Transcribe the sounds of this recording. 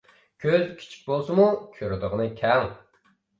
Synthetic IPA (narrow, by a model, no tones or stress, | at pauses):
kʲʰøzkʲʰi̥t͡ʃʰi̥k̚ʲbolˠsɨmukʲʰøɾyd̪əʁnɨkʲʰɛŋ